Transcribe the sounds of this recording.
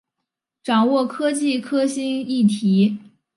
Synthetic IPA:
ʈ͡ʂɑ˨˩ŋwɔ˥˩kʰɤ˥t͡ɕi˥˩kʰɤ˥ɕi˥ni˥˩t̪ʰi˧˥

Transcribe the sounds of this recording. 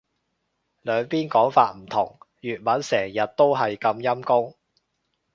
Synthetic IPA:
lœː˨˧ŋpiː˥nkɔː˨˥ŋfaː˧t̚m̩˨˩t̪ʰʊ˨˩ŋ | jyː˨t̚mɐ˨˥nsɛː˨˩ŋjɐ˨t̚t̪o˥wɦɐ˨jkɐ˧mjɐ˥mkʊ˥ŋ

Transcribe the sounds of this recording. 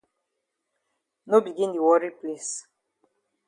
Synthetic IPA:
no˦bi˨ɡĩ˦ndu˨wɔ˦ɾi˦ple˦s

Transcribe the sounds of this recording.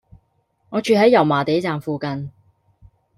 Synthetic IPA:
ŋɔː˨˧t͡ʃyː˧ɦɐ˨˥jːɐ˨˩wmaː˨˩t̪e˨˥jt͡saː˨mfuː˨kɐ˧n

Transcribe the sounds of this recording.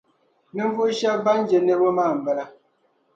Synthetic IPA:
nɨ˦ɱ˦vu˦ʃa˦ba˦n˦d͡ʒɛ˨nɛ˦bo˦maː˦˨m̩˨bɛ˦la˦

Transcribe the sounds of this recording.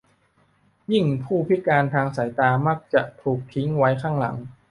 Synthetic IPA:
ji˥˩ŋpʰuː˥˩pʰi˦˥kaː˧nt̪ʰaː˧ŋsa˩˦jt̪aː˧ma˦˥k̚t͡ɕa˨˩ʔt̪ʰuː˨˩k̚t̪ʰi˦˥ŋwa˦˥jkʰaː˥˩ŋla̰˩˦ŋ

